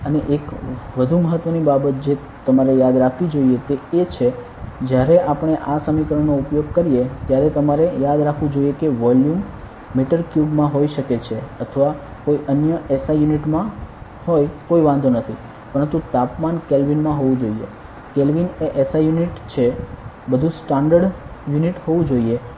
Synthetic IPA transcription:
əneʔekʋəd̪ʱuməɦət̪ʋənibabət̪̚d͡ʒe | t̪əmaɾejad̪ɾakʰʋid͡ʒoiet̪eet͡ʃʰe | d͡ʒjaɾeʔapɳ̃eʔasəmikɾəɳnoupjoɡ̚kəɾijet̪jaɾet̪əmaɾejad̪ɾakʰʋũd͡ʒojekeʋɔljumː | eʈəɾkjubmãɦoiʃəket͡ʃʰeət̪ʰəʋa | koiʔənjəʔɛsajuniʈmã | hojkoiʋãnd̪ʱonət̪ʰi | pəɾənt̪ut̪apmankelʋinmãɦoʋũd͡ʒoiḛ | kelʋineʔesajuniʈt͡ʃʰe | bəd̪ʱũsʈaɳɖəɖjuniʈhoʋũd͡ʒoie

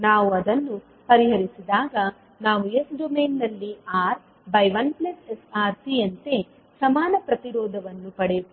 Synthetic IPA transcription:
naːʋuɐd̪ɐnːu | pɐɾiɦɐɾisid̪aːɡɐ | naːʋuesɖomeːnːɐlːiaːɾ | bɐjʋɐnplɐsesaːɾsiɐnt̪e̞ | sɐmaːnɐpɾɐt̪iɾɔːd̪ʱɐʋɐnːupɐɽe

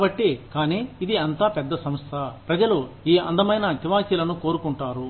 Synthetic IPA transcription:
bɐʈːikaːniːid̪iɐnt̪aːpɛd̪ːɐsɐmst̪ʰɐpɾɐd͡ʒɐlo | iːɐ̰nd̪ɐmɐjnɐt̪iʋaːt͡ʃiːlɐnuko̞ːɾukuɳʈaːɾu

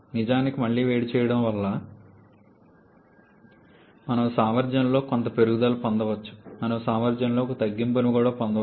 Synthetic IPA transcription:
nid͡ʒaːnikimɐɭːiːʋeːɽit͡ʃɛːjɐɽɐmʋɐlːɐ | mɐnɐmsamɐɾd͡ʒɐnlo̞ːkont̪ɐpe̞ɾuɡud̪ɐːlupond̪ɐʋɐt͡ʃːu̥mɐnɐmsaːmɐɾd͡ʒɐnlo̞ːkt̪ɐɡːimp̬ɐnukuːɽaːpond̪ɐ

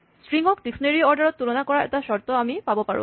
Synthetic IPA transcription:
sʈɹiŋɔkdiksneɾiɔɾɖaɾɔt̪ːulonakɔɾaʔɛ̰taʃɔɾt̪oamipabopaɹṵ

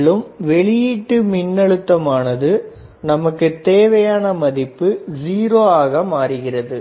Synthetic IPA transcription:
ɭɯmʋɛɭɪjɪʈːɯmɪnːɐɭɯt̪ːɐmaːnɐðɯ | nɐmɐkːɯt̪eːʋɐjaːnɐmɐðɪpːɯziːɾoːaːɣɐmaːɾɯɣɪrɐðɯ

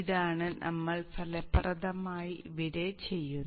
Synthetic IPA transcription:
iðaːɳɨnʔɐ̰mːɐɭpɐlɐprɐðɐmaːjiʋiɾet͡ɕe̞jːunː

